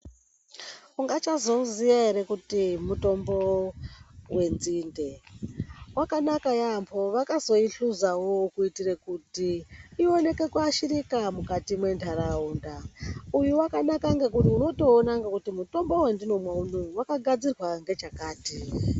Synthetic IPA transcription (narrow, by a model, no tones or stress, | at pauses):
uŋɡat͡ʃazo̞zijaɦe̞ɾe̞kutimuto̞mbo̞ | we̞nziːnde̞ | wakanakajambʰo̞ʋakazo̞iɬuzawokuitirekutiio̞ne̞ke̞kuaʃiɾikamukatimwe̞ntʰaɾaundaujuwakanakaŋɡekuniuno̞to̞ːnaŋɡekutimuto̞mbo̞wendino̞mwaunowakaɡʱad͡zirwaŋɡe̞t͡ʃakaːti